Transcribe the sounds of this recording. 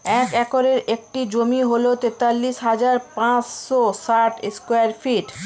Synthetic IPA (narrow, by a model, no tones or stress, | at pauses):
ɛkɛkoɾeɾek̚ʈid͡ʑomiɦolot̪et̪alːiʃɦad͡ʑaɾpãt͡ɕʃosaʈeskwaɾfiʈ